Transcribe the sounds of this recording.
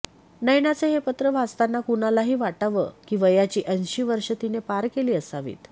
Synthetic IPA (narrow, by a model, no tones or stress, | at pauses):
nəjnat͡seɦepət̪ɾəʋʱast̪anːakunalaɦiːʋaʈaʋəkiːʋəjat͡ɕiːʔənɕiːʋəɾʂət̪inepaɾkeliːəsaʋḭːt̪